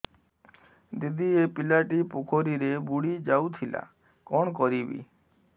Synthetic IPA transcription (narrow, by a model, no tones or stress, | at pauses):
d̪id̪iepilaʈipokʰoɾiɾebuɽid͡ʒawt̪ʰila̰ | kɔɳ̃kɔɾibḭ